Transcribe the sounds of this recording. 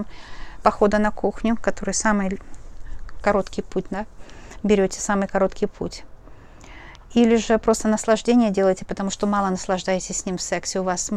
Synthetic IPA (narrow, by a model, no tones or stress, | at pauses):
mpɐxo̞d̪ənɐkuxnʲʊkɐt̪o̞ɾɨjsamɨj | kɐɾo̞t̪kʲɪjputʲd̪abʲɪɾʲotʲɪ̥samɨjkɐɾo̞t̪kʲɪjpʰṵtʲ | ilʲɪʐɨpɾo̞st̪ənəslˠɐʐdʲenʲɪjədʲe̞lˠəjtʲɪ̥pət̪ɐmuʂt̪o̞mɑlˠənəslˠɐʐd̪ajɪtʲɪsʲsʲnʲimfsɛksʲɪʊvas